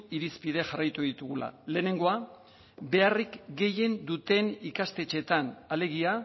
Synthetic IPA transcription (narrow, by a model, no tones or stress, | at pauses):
iɾispiðe̞ʝarajt̪uðit̪uɣula̰le̞ːne̞ŋɡo̞a | βe̞arikɡe̞je̞nd̪ut̪e̞nikast̪e̞t͡ʃe̞t̪anale̞ɣia